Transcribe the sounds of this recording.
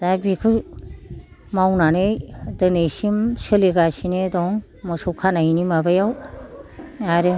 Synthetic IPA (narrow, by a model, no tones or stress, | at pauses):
dabikʰɯ | mawnanɯjdɯnejsimsɯliɡasinedɔŋ | mɯsɔwkʰanainimabajaw | aɾɯ